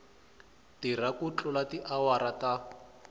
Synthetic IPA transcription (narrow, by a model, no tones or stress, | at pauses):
tirakut͡ɬʼʊlatiʔawaɾata